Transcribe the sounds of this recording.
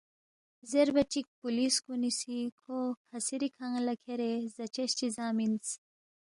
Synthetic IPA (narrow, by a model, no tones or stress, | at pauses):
zeɾbɐʈ͡ʂik̚puliskunisikʰokʰɐsiɾikʰaŋlɐkʰeɾezɐt͡ɕeɕt͡ɕizaːmins